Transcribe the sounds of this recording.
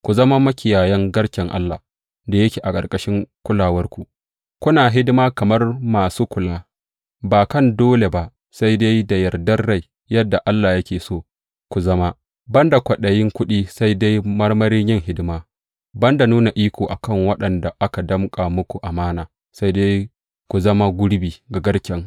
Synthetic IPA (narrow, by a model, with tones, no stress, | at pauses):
kʷu˨zɐ˦ma˦mɐ˦kʲɪ˨jaː˨jɐ˦ŋɡɐ˦ɽkʲɛ˨ŋʔa̰˦lːa˨ | da˨jɐ˦kʲeː˨ʔa˨kʼɐ˨rkʼɐ˦ʃɪ˦ŋkʷʊ˦laː˨wɐ˦rkʷu˨ | kʷʊ˦naː˨ɦɪ˦dɪ˦maː˦kɐ˨mɐ˦rmaː˨suː˦kʷʊ˨laː˦ | baː˨kɐ˦˨ndoː˦le˨ba˦ | sa˦jda˦jda˨jɐ˨rdɐ˦rːa˦˨j | jɐ˦dːa˨ʔa˦lːaː˨jɐ˦kʲeː˨soː˦˨ | kʷu˨zɐ˦ma˦ | bɐ˦nda˨kʷɐ˨ɗɐ˨jɪ˦ŋkʷʊ˦ɗiː˦sa˦jda˦jmɐ˦rmɐ˦ɾiː˦ɲjɪ˦˨ŋɦɪ˦dɪ˦maː˦ | bɐ˦nda˨nuː˦na˨ʔiː˦kʷoː˨ʔa˨kɐ˦˨ŋwɐ˦ɗɐ˨nda˨ʔa˦ka˨dɐ˦mkʼa˨mʊ˦kʷu˨ʔa˨maː˦naː˨ | sa˦jda˦j | kʷu˨zɐ˦ma˦ɡʷʊ˦ɽbiː˨ɡa˨ɡɐ˦ɽkʲɛ˦ŋ